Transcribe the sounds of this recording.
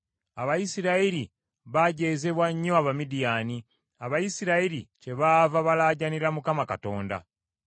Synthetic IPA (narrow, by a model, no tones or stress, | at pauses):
aβajisiɾaiɾi | βaɟe̞ːze̞βwaɲːoaβamidijaːni | aβajisiɾaiɾice̞βaːvaβalaːɟaniɾamukamaka̰to̞ːnda̰